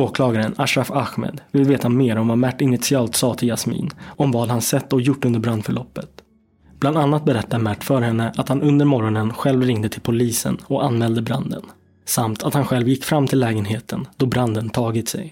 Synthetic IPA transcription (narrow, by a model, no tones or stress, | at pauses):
oːkʰlɑːɡaɾənaʂɾafaxmḛːd̪vɪlveːt̪ameːɾɔmvamæʈːɪnɪt̪sɪɑːlt̪sɑːt̪ʰɪljasmḭːnɔmvɑːd̪hansɛt̪ːɔjʊʈːɵnd̪əɾbɾand̪fœɭɔpːət̪ | b̥land̪anːat̪̚bɛɾɛt̪ːad̪mæʈːfœːɾhɛnːəʔat̪hanɵnd̪əɾmɔɾɔnənɧɛlvɾɪŋd̪ət̪ʰɪlpʰʊliːsə̰nɔkanmɛːld̪əbɾand̪ə̰n | samt̪ʰat̪hanɧɛlvjɪkːfɾamːt̪ʰɪlːɛːɡənɦeːt̪ʰənd̪̥ɔbɾand̪ənt̪ʰɑːɡɪt̪sɛ̰j